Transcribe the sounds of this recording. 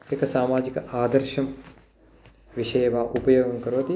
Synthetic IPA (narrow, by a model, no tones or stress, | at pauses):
ekɐsaːmaːd͡ʒikaːd̪ɐɾʃɐm | ʋiʃɐjʋaːʔupɐjoːɡɐŋkɐɾoɦɐt̪i